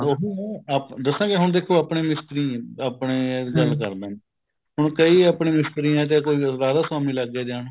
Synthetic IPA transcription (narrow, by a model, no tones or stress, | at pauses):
oɦɛːapd̪əsãːkeɦʊɳd̪eːkʰːoːaːpɳeːmɪst̪əɾiːaːpɳeːɡəlkəɾd̪ãːne | ɦʊɳkəiːapɳẽːmɪst̪əɾiːɛ̃ːt̪̬eːkoːiːɾaːd̪aːswaːmĩːləɡɛːd͡ʒaːnː